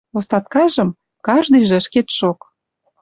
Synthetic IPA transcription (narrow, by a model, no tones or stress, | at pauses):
ost̪ɑt̪̚kɑʒə̆m | kɑʒd̪ɤjʒ̆əʃket̪ʃok